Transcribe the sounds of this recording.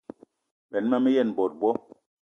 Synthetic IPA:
ɓɛ˨n˦ma˦mɛ˦jɛ˦˨nbɔ˨t̚bɔ˦

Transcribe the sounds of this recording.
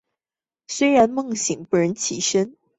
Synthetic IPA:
swe˥ɪɻa˧˥nmɤ˥˩ŋɕi˨˩ŋpu˧˥ɻə˧˦˥nt͡ɕʰḭ˨˩ʂə˥n

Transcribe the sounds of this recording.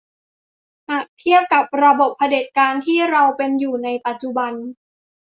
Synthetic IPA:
ha˨˩k̚t̪ʰi˥˩əp̚ka˨˩p̚ɾa˧bo˨˩pʰːa˧de˨˩t̪̚kaː˧nt̪ʰiː˥˩ɾa˧wpe˧njuː˨˩na˧jpa˨˩t̪̚t͡ɕu˨˩ba˧n

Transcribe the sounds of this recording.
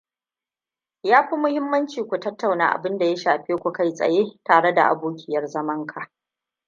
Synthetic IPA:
jaː˦ɸi˦mʊ˦hɪ˦mːɐ˦nt͡ʃiː˨kʷu˨tɐ˦tːa˨wna̰ː˦˨ʔa̰˨bɪ˦nda˨ja˦ʃaː˨ɸeː˦kʷu˨ka˦jsʼɐ̰˨jeː˦taː˨ɽe˦da˨ʔa̰˨buː˦kʲɪ˦jɐ˨rzɐ˦mɐ˦ŋkʰa˨ʔ

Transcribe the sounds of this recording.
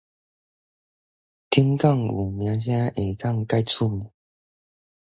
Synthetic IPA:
t̪ʰi˦ŋka˥˨ŋu˨˩mjã˧˦ɕ̬jã˦ʔe˨˩ka˥˧ŋka˥˧ɪt͡sʰu˦˩mu˨

